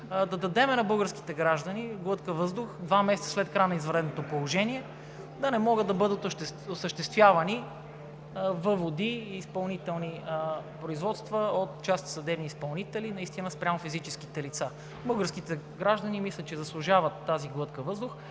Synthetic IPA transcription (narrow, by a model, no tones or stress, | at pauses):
d̪ɐd̪ɐd̪ɛmɛnɐbɤlˠɡəɾski̥t̪ɛɡɾaʒd̪ɐniɡlˠɤt̪kəvɤzd̪ʊxd̪vamɛsɛt̪sə̥slɛt̪̚kɾajnɐizvɐɾɛd̪not̪opolˠoʒɛniɛ | d̪ɐnɛmɔɡəd̪ːɐbɤd̪ət̪oʃt̪ɛosəʃt̪ɛst̪vʲjavɐni | vəvod̪iːspɐlˠnit̪ɛlˠnipɾoizvɔt̪st̪vəot̪t͡ʃast̪sɐd̪ɛbniːspɐlˠnit̪ɛlinɐist̪inəspɾʲamofizit͡ʃɛsk̟it̪ɛlit̪sa | bɤɡəɾskit̪ɛɡɾaʒd̪ɐnimislʲət̪t͡ʃɛzɐslˠʊʒavət̪ːaziɡlˠɤt̪kəvɤzd̪ʊx